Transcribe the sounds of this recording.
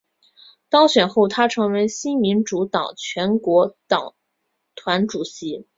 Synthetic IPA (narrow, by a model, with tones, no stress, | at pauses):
t̪ɑ˥ŋɕɥɛ˨˩nxo˥˩ʊt̪ʰa˥ʈ͡ʂʰɤ˧˥ŋwe˧˥ɪɕi˥nmi˧˥nʈ͡ʂu˧˥t̪ɑ˨˩ŋt͡ɕʰɥɛ˧˥nkwɔ˧˥t̪ɑ˨˩ŋ | t̪ʰwa˧˥nʈ͡ʂu˨˩ɕi˧˥